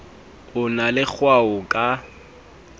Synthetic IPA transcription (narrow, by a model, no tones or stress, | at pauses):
ʊnalɪk͡xʰwaʊkʼa